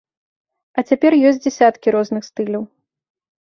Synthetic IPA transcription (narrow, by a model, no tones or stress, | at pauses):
ɐt͡sʲapʲɛrjɔsʲtʲt͡sʲd͡zʲɛsʲat̪kʲiɾɔznɨxst̪ɨlʲɐw